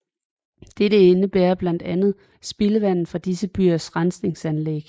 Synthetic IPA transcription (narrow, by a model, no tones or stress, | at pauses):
d̥eɾ̥əe̝nəb̥eːɐb̥læn̰d̥ænð̞̩ˠ | sb̥e̝ləʋæn̰n̩fɑd̥isəb̥y̰ːɐsʁɑnsne̝ŋsænleɡ̥